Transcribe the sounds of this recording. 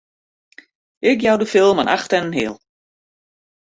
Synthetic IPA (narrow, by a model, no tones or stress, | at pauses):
ɪkjawdəfɪlˠmanʔa̰xtɛnənɦɪːlˠ